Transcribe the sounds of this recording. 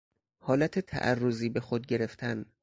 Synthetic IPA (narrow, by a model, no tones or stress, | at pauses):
hɒːlæt̪ʰet̪ʰæ̰ʔærːoziːbe̞xod̪̚ɟeɾe̞ft̪ʰæn